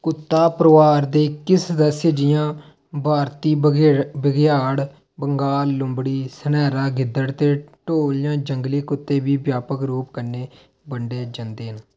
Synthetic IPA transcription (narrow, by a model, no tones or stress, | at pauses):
kʊt̪ːaːpɾəʋaːɾd̪eːkɪsd̪əsed͡ʒɪjãː | bʱaːɾt̪iːbəɡjaːɽ | bəŋɡaːlːʊmbɽiːsənɛːɾaːɡɪd̪ːəɽt̪eːʈoːld͡ʒãːd͡ʒəŋɡliːkʊt̪ːeːbiːbjaːpəkɾuːp̚kəɾneː | bəɳɖeːd͡ʒənd̪eːɦən